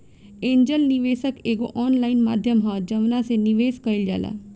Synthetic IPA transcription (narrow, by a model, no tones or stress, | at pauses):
ẽːɲd͡ʒəlniʋeːsəkeːɡo̰ːʔɔːnlaːinma̰ːd̪ʱjəmɦaːd͡ʒəʋnãːseniʋeːskəild͡ʒa̰ːla̰ː